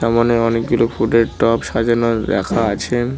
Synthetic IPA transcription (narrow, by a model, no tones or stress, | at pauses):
amaneɔnek̚ɡulofʰuʈeɾʈɔpʃad͡ʑoɾnod̪ɛ̰kʰaat͡ɕʰe